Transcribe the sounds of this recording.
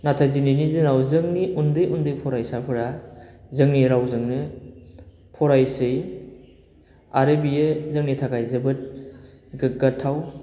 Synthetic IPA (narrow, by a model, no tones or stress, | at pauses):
natʰajzininidinawzɯŋniʔundɯjʔundɯjpʰɔɾajsapʰɯɾazɯŋniɾawzɯŋnɯ | pʰɔɾajsɯj | aɾebijɯzɯŋnitʰakʰajzɯbɯt̚ | ɡɯɡatʰːaw